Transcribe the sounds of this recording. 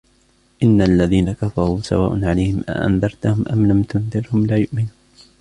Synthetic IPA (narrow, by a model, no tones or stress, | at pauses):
ʔɪnːaʔalːaðiːnakafɑɾˤuːsa̰waːʔʊnʕalajhɪmʔa̰ʔa̰nðɑɾˤt̪ahʊmʔamlamt̪ʊnðˤɨɾhʊmlaːjʊʔmɪnuːn